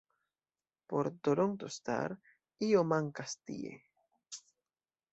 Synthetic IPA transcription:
poɾt̪oɾont̪ost̪a̰ɾ | iomãŋkast̪ḭḛ

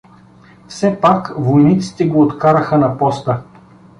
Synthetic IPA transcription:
fsɛpakvojnit̪si̥t̪ɛɡoːt̪kaɾəxənɐpɔst̪ə

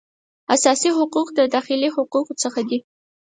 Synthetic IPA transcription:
asaːsiħʊquqʼd̪ɐdaːχiliħʊquqʼt͡sʰɐχɐɡʲi

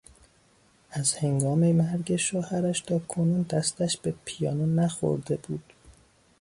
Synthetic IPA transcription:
æzhe̞ŋɡɒːmemæɾɟeʃoːhæɾæʃt̪ʰɒːkʰonuːnd̪æst̪æʃb̥e̞pʰijɒ̰ːnonæxo̰ɾd̪e̞buːd̪̥

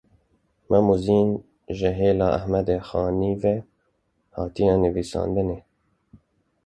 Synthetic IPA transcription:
mʔɛmuziːn | ʒɪɦeːlɑːʔæ̰hmɛd̪eːxɑːniːve | hɑːt̪ijɛnɨviːsɑ̰ːnd̪ɨneː

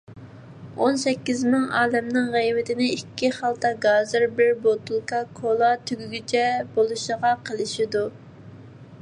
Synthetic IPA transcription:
onsɛkʲːizmɪŋɑːd̪ɛmnɪŋʁɛjvɪt̪ʰɪnɪikʲʰːiχɑlˠt̪ɑɡɑːzɨɾbɪɾbot̪ulˠkʰɑkʰolˠɑt̪ʰyɡʲyɡʲit͡ʃʰɛbolˠuʃəʁɑqʰəlˠɨʃid̪u

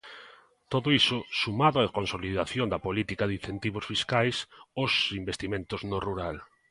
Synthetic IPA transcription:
t̪oðʊisʊsumaðʊakonsoliðaθjond̪ɐpolit̪ikaðin̟θent̪iβ̞osfiskajsosimbest̪imẽnt̪ʊznoruɾal

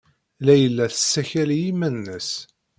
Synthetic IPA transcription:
læjəlːæθə̥sːæçæljimænːəs

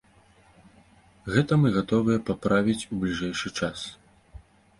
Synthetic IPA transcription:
ɣɛt̪ɐmɨɣat̪ɔvɨjɛpapɾavʲit͡sʲublʲiʐɛjʂɨt͡ʂas

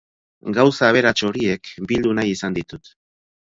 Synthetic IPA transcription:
ɡawsaːβ̞e̞ɾat͡ʃo̞ɾie̞kbild̪unajisand̪it̪ut̪

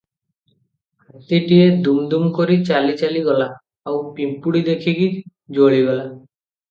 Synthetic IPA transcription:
at̪iʈied̪umd̪umkɔɾit͡ʃalit͡ʃaliɡɔla | awpimpuɽid̪ekʰiɡi | d͡ʒoɭiɡɔla

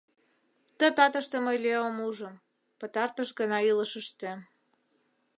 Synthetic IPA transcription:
t̪ə̆t̪ɑt̪əʃt̪ĕməjleomuʒə̆m | pət̪ɑrt̪əʃɡənɑiləʃəʃt̪ĕ

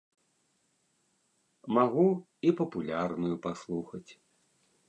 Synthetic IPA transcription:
maɣu | ipɐpulʲarnujupaslˠuxɐt͡sʲ

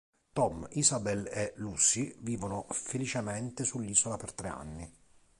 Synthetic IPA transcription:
t̪ɔmisabɛlelusiviːvonʊfelit͡ʃemɛnt̪esulːiːsolapert̪ɾea̰nːi

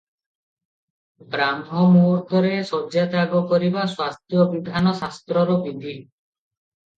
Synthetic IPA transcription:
bɾamɦɔmuɾd̪ʰʱɔɾesɔd͡ʒjat̪aɡɔkɔɾibaswast̪jɔbid̪ʱanɔsast̪ɾɔɾɔbid̪ʱi

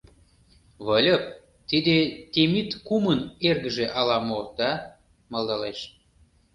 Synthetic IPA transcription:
βəlʲəp̚ | t̪id̪et̪ʲemit̪kumənerɣə̆ʒeʔɑlɑmod̪̥ɑ | mɑld̪ɑleʃ

